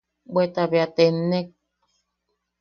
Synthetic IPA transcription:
bet̪aβjat̪enːek̚

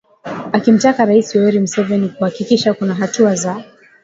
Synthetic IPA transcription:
akim̩takaɾaisiwɛɾim̩sɛvɛnikuhakikiʃakunaɦatuaza

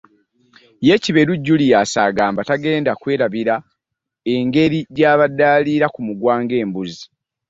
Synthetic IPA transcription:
je̞ciβe̞ɾuɟːulijasa̰ːɡaːmbataɡe̞ːndakwe̞ːɾaβiɾa | e̞ŋɡe̞ɾiɟaːβadaːliːɾakumuɡwaːŋɡe̞ːmbuzi

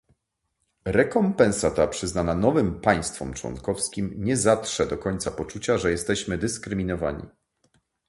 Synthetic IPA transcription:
ɾɛkɔmpɛ̃ñsat̪apʂɘznananɔvɘmpaj̃st̪fɔ̰mt͡ʂwɔ̰nkɔfskʲimɲɛzat̪ʂɛd̪ɔkɔɲt̪sapɔt͡ʂut͡ɕaʐɛjɛst̪ɛɕmɘd̪ɘskɾɘmʲinɔva̰ɲḭ

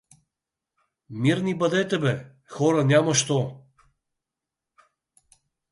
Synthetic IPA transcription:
miɾnibɐd̪ɛt̪ɛbɛ | xɔɾanʲamɐʃt̪ɔ

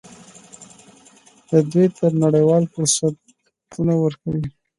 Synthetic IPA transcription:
d̪əd̪wijt̪əɾnaɽəjwɑlfʊɾsat̪̚ | unawəɾkawi

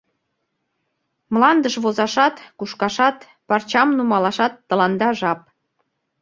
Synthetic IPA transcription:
mlɑnd̪əʃβozɑʃɑt̪kuʃkɑʃɑt̪ | pɑrt͡ɕɑmnumɑlɑʃɑt̪ːə̆lɑnd̪ɑʒɑp̚

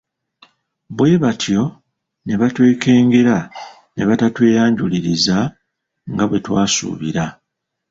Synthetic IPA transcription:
bwe̞βatʰjo̞ | ne̞βatwe̞ːke̞ːŋɡe̞ɾa | ne̞βatatwe̞ːjaːɲɟuliɾiza | ŋɡaβwe̞twaːsṵːβiɾa

